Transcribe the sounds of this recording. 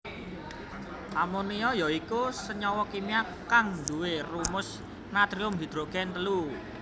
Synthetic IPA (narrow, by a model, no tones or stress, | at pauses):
ʔamoniɔjɔikusəɲɔwɔkimia | kaŋnd̪uwerumʊs | nat̪ɾiʊmɦid̪̥ɾoɡ̥ɛnt̪əlu